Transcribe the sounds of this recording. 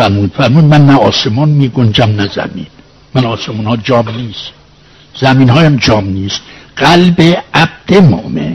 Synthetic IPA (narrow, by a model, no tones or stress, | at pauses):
æɾmuːd̪fæɾmuːd̪mænːæɒːsemɒːnmiːɡond͡ʒæmnæzæ̰miːn | mænɒːsemuːnhɒːd͡ʒɒːmniːst̪ | z̥æmiːnhɒːjæmd͡ʒɒːmniːst̪ɢ̥ælbeæb̥̚d̪̥emo̰mḛn